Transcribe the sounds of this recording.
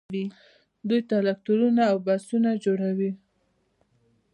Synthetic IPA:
i | d̪ujt̪alak̚t̪uɾunaːwbasunad͡ʒoɽawi

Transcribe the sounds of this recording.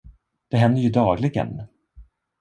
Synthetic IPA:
d̪̥ɛɦɛnd̪əjɵd̪ɑːɡlɪɡə̰n

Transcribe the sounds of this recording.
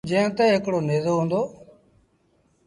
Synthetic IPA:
d͡ʒẽːt̪ɛːɦɪkɽoːneːzoːɦũːnd̪oː

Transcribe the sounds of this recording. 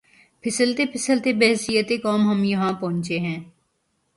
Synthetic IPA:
pʰɪsəlt̪epʰɪsəlt̪ebɛɦsijət̪ekaːmɦɐmjɐɦãpɔ̃ːɲt͡ʃeɦɛ̃ː

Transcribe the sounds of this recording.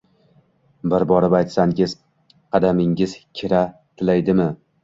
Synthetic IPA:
bɪɾbɒɾɪbajt̪saŋʲɪz | qʰɑd̪amɪŋɪz̥kʲʰɪɾat̪ʰɪlajd̪ɪmɪ

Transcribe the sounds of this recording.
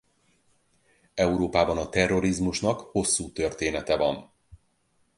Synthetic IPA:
ɛuɾoːpaːbɒnɒt̪ɛrːo̞ɾizmuʃnɒkho̞sːuːt̪ø̞rt̪eːnɛt̪ɛvɒ̰n

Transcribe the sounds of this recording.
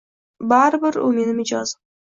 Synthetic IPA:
baɾɪbɪɾʊ̰me̞nɪmɪd͡ʒɒz

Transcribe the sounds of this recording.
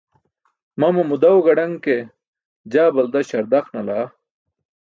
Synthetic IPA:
mɐmɐmud̪ɐwɡɐɖɐŋke | d͡ʑaːbɐld̪ɐɕɐɾd̪ɐxnɐlaː

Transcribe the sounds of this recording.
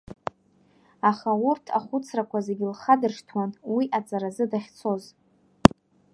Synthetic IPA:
aχaurtʰa̰χʷʊt͡sʰrakʷʰaze̞ɡʲɪlχadɨrʂtʰwanwiʔat͡sʼaɾazɨdaχʲt͡sʰo̞z

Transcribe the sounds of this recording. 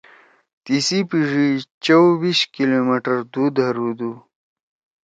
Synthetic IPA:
t̪isipiʐit͡ʃɐwwiɕkilomeʈəɾd̪ud̪ɦaɾud̪u

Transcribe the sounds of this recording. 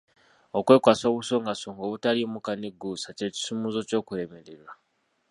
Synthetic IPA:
o̞kwe̞ːkwaːso̞ːβuso̞ːŋɡasoːŋɡo̞ːβutaliomukaneɡuːsace̞ci̥sumuzo̞co̞ːkuɾe̞me̞ɾeɾwa

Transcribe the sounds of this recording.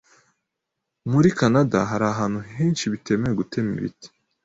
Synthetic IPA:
muɾikanada̰ɦaɾaːɦaːn̥huɦeːnʃiβite̞mejeɡute̞mḭβḭti̥

